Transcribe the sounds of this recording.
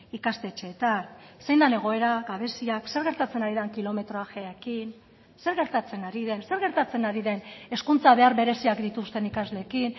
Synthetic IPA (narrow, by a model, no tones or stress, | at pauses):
ikazle̞ːt͡ʃe̞ːt̪anse̞jnd̪ane̞ɣ̞o̞e̞ɾaɡaβ̞e̞siakse̞ɾɣe̞ɾt̪at͡se̞naɾiðaŋkilo̞me̞t̪ɾo̞axeaekin | se̞ɾɣe̞ɾt̪at͡se̞naɾiðe̞nse̞ɾɣe̞ɾt̪at͡se̞naɾiðe̞ne̞skunt͡saβe̞aɾβe̞ɾe̞siakd̪it̪ust̪e̞nikazle̞ːkin